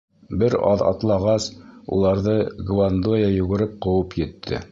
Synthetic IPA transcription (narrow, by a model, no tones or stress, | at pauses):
bɘɾɑ̰ðɑ̰t̪lˠɑʁɑsṵlˠɑɾðɤɡvand̪ojɑjʉɡɘ̆ɾɘp̚qɤ̆wɤpjɘ̆t̪ʰːɘ̰